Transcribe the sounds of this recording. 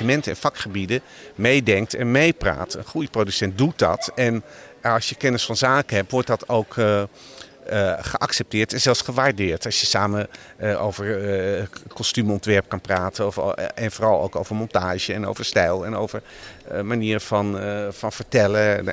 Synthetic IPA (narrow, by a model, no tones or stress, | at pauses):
əmɛntəɛ̰nfɑkχəbidə | mejdɛŋk̚tʰɛnmejpra̰ːtə̰nχujəprodysɛnt̚dut̚dɑ̰tɛnɑlˠsjəkɛnəsfɑnzaːkənɦɛp̚tʋɔɹt̚dɑtʰowk | χəʔɑksɛp̚tɪːɹtɛnzɛlˠfsχəʋaɹdɪːɹtɑsjəsaːməʔo̰wvəɹ | kɔstymɔntʋɛɹp̚kɑnpraːtəfɛnfoːrɑlˠo̰wko̰wvərmɔntaːʒəɛno̰wvəɹstɛjlˠɛnowvərmaniːɾəfɑnfɑnvəɹtɛlə